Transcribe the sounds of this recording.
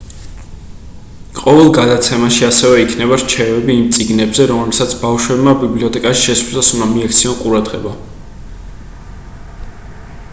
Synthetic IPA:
qʼɔvɛlˠɡad̪at̪sʰɛmaʃiasɛvɛikʰnɛβaɾt͡ʃʰɛvɛbiːmt̪sʼiɡnɛbzɛɾɔmɛlsat̪sʰbavʃwɛbmabibliɔt̪ʰʼɛkʼaʃi̥ʃɛsɾzasund̪amiak̚ʰt̪sʰiɔnqʼuɾad̪ʁɛba

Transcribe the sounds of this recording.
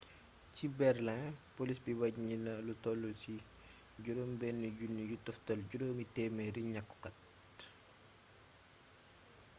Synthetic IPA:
cibɛrlɛ̃polisbibɐɟɲinɐlutɔlusi | ɟuɾoːmbɛnːiɟunːijutɔftɐlɟuɾɔːmitɛmɛɾiɲɐkːu̥kɐt

